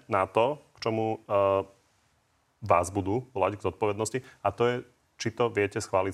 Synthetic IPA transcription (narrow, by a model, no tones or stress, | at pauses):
nat̪ɔkt͡ʃɔmu | ʋaːzbud̪uːʋɔlaɟɡzɔt̪̚pɔʋɛd̪nɔsciat̪ɔjɛ | t͡ʃit̪ɔʋɪɛcɛsxʋaːli